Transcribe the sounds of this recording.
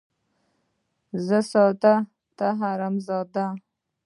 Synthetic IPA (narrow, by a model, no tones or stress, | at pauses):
zəsɑt̪a | t̪aɦaɾamzɑːd̪a